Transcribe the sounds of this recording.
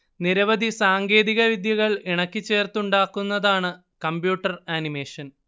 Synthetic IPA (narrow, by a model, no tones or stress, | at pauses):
niɾɐʋɐd̪ʱisaːŋɡe̞ːðiɣɐʋid̪jɐɣɐɭiɳɐkːit͡ɕːe̞ːrt̪uɳɖaːkːunːɐðaːɳɨ | kɐmbjuːʈːɐraːnime̞ːʂɐn